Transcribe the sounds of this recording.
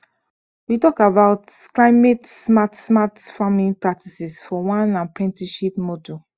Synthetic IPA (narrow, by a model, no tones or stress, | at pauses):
witɔkabaʊtklaɪmetsmatsmatfamĩnpɹak̚tisɛsfɔwãnãnpɹɛ̃ntiʃipmɔdu